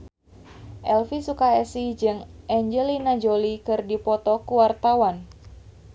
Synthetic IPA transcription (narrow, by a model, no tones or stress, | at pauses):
ʔɛlfisukaɛsid͡ʒɨŋʔɛɲd͡ʒɛlinad͡ʒolikɨrdipɔt̪ɔkuwart̪awan